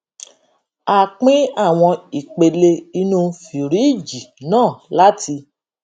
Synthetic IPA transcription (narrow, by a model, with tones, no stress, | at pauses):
a˦k͡pĩ˦a˦˨w̃ɔ̃˧i˨k͡pe˨le˧i˧nũ˧fi˨ɾi˨˦˨d͡ʒi˨nãː˦˨la˦tʰi˧